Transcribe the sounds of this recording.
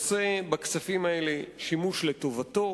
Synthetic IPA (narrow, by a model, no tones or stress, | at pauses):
sebakt͡safimaeleʃimuʃletovato̞